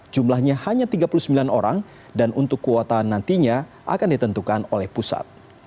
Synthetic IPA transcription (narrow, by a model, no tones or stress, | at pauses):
d͡ʒumlahɲahaɲat̪iɡapuluhsəmbilanoɾaŋ | danʔunt̪ʊkːəwat̪aanːant̪iɲa | ʔa̰kandit̪ənt̪ukanolɛhpusa̰t̪̚